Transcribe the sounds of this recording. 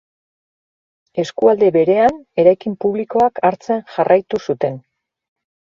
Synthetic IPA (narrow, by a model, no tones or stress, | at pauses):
e̞skuald̪e̞βe̞ɾe̞ane̞ɾajkimpuβliko̞akaɾt͡senʝarʔajt̪usut̪e̞n